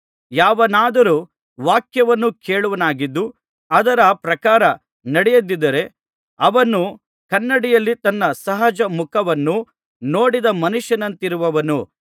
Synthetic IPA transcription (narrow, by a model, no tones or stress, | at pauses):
jaːʋɐnaːd̪ɐɾuː | ʋaːkjɐʋɐnːukeːɭuʋɐnaːɡid̪ːu | ɐd̪ɐɾɐpɾɐkaːɾɐ | nɐɽɛjɐd̪id̪ɐɾe̞ | ɐʋɐnu | kɐnːɐɽijɐlːit̪ɐnːɐsɐɦɐd͡ʒɐmukʰɐʋɐnːu | no̞ːɽid̪ɐmɐnuʂjɐnɐnt̪iɾuʋɐʋɐnu